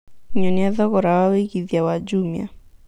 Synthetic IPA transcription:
ɲɔniaðɔɣɔɾawaweɡiðijawad͡ʒumja̰

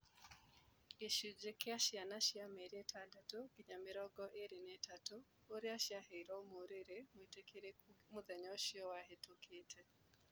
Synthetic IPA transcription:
eʃud͡ʒekeaʃianaʃiamɛɾietʰadatokiɲameɾɔɡɔʔeɾenetato | oɾiaʃiaheiɾɔomoɾeɾemwitekeɾemuðɛɲɔoʃiɔwaɦetʰokʰetʰɛ

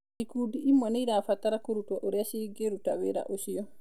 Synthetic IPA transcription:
ikudiimːaniɾafatːaɾakoɾutwaʔɔɾiasiɡeɾutawɛɾa̰ʔosijɔ

